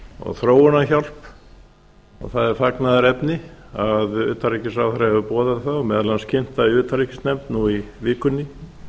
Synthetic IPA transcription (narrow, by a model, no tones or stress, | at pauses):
ɔ̰ɣθɾoːwanaçal̥p | ɔ̰ɣθaðɛɾ̥faknaðaɾɛpnɪaðʏ̰ːt̪aɾicɪsawθɾahɛvʏpɔːðaðθamɛːðlanscʰɪn̥t̪aðiʏːt̪aɾicɪsnɛmt̪nuivɪːkʏnːɪ